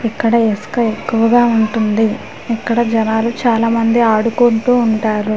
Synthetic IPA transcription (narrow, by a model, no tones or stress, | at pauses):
ikːɐɽɐeskɐe̞kːuʋɐɡaːuɳʈund̪i | ikːɐɽɐd͡ʒɐnaːlut͡ʃaːlaːmɐnd̪iaːɽukoɳʈuːɳʈaːɾu